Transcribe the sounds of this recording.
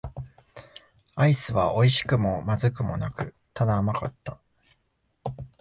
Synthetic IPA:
aisɨβ̞aʔo̞iɕi̥kɯ̟mo̞mazɨkɯ̟mo̞̰nakɯ̟ | t̪ʰad̪aːmakat̪ːa

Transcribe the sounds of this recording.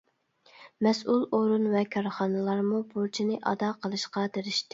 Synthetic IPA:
mɛsʔulˠoɾunvɛkʰɑɾχɑnɨlˠɑɾmubuɾt͡ʃʰinɪʔɑ̰d̪ɑqʰəlˠɨʃqɑd̪eɾɪʃt̪ɪ

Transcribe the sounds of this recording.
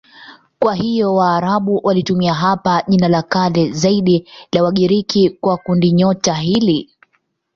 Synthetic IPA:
kwaɦijɔwaːɾaɓuwʔalitumiaɦapaʄinalakalɛzaiɗilawaɠiɾikikwakundiɲɔtaɦili

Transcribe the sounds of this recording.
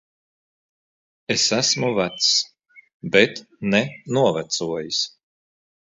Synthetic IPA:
esæsmuvæt̪s | bet̪ | nɛnuɔvæt̪suɔjis

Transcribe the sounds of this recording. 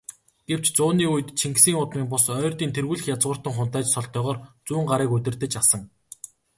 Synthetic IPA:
ɡ̥ew̥t͡ɕt͡sʊːniːujɘ̆t̪t͡ɕʰiŋɡsiːŋʊt̪miːŋpʊsœːrt̪iːnt̪ʰerɣuːɮɘ̆xjat͡sʁʊːr̥t̪ə̆ŋχʊnt̪æːt͡ɕsɔɮt̪œːʁɔːrt͡suːɴɢaɾiːkɵt̪ʲɘ̆rt̪ɘ̆t͡ɕasə̆ŋ

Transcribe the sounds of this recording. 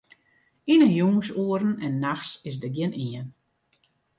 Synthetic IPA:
inənjuŋsuəɾn̩ɛnːaxsɪsdəɡjɪniən

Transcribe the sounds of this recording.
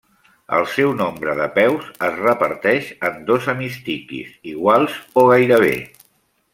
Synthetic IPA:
ə̰lˠsɛwnombɾəðəpɛwzəzrəpəɾt̪ɛʃənd̪ozəmist̪ikḭziɣwalˠzoɣ̞ajɾəβ̞ḛ

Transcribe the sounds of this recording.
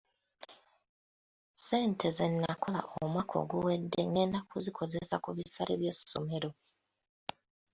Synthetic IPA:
se̞ːntʰe̞zenːakʰo̞la̰ʔomwakʰo̞̰ɡuwedːe̞̰neːnakuzikʰo̞zesakuβisaɾʔeβjesːo̞̰me̞ɾo̞

